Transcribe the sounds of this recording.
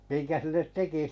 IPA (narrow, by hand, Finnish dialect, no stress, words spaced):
miŋkæ silːet teki